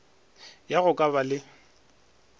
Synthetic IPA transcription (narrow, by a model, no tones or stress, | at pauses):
jaɣʊkʼabalɪ